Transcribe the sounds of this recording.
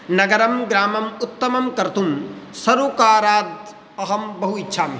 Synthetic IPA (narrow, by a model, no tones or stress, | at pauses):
nɐɡɐɾɐmɡɾaːmɐmut̪ːɐmɐmkɐɾt̪umsɐɾuːkaːɾaːd̪̚ | ɐɦɐmbɐɦuitːʃʰaːm